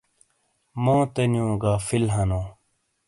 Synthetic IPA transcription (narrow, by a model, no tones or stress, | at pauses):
mõːt̪enjõːɡaːfilɦɐnõː